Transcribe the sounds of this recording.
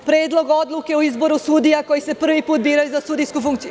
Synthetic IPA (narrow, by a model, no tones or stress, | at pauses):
pɾe̞ːd̪lˠo̞ɡo̞d̪luke̞uizbo̞ɾusud̪ijako̞jise̞pr̩ʋipuːt̪̚biːɾajuzasuːd̪ijskufuŋkt̪siju